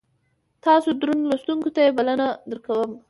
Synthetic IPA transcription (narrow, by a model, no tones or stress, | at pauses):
t̪ɑsod̪ɾunlost̪uŋkot̪ajebalanad̪əɾkawəm